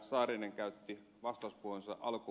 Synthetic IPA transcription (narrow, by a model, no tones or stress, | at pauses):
sɑːrineŋkæyt̪ːi | ʋɑst̪ɑuspuohonsɑ̰ʔɑlku